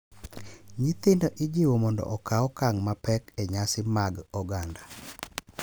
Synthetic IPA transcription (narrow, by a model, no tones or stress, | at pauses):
ɲit̪ɪndoʔid͡ʒiwomɔndɔ̰ʔɔkaɔkaŋmapɛkɛɲasɪmaɡɔɡanda